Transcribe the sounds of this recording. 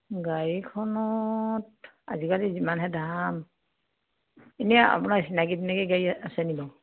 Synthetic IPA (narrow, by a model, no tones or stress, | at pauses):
ɡaɹikʰɔnɔt | a̰zikalizimanɦɛdʱam | enijaa̰punaɹsinaɡitinɛkɛɡaɹiasɛnibɔ